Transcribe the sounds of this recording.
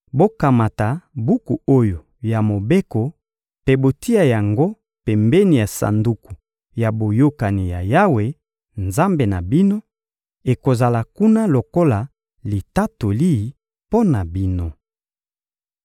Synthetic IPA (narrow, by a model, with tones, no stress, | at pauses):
bo˦ka˨ma˨ta˨bu˦ku˨o˦jo˨ | ja˨mo˨be˦ko˨ | pe˦bo˨ti˦a˨ja˨ŋɡo˦ | pɛ˨mbɛ˦ni˨ja˨sa̰˨ndu˨ku˨ | ja˨bo˨jo˦ka˨ni˨ja˨ja˦we˨ | nza˦mbe˨na˨bi˦no˦ | e˨ko˨za˨la˨ku˦na˦lo˨ko˦la˨ | li˨ta˦to˨li˦˨ | po˦na˨bi˦no˦